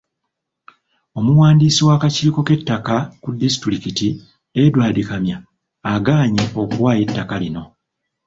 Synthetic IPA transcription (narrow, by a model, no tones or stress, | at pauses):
o̞muwaːndiːsiwaːkaciːko̞ke̞tːakakudːisi̥tuɾikiti | edwaːdikamjaː | ɡaːɲeo̞kuwaːje̞tːakalino̞